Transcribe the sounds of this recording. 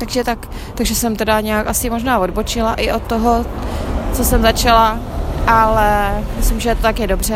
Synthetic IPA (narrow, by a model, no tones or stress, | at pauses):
t̪aɡʒɛt̪ak | t̪aɡʒɛsɛmt̪ɛdaɲɛakʔasɪmoʒnaːvo̞dbot͡ʃɪlaʔɪʔo̞t̪ːoɦo̞ | t͡so̞sɛmzat͡ʃalaʔalɛmɪslɪmʒɛt̪ot̪akjɛdobr̝ɛ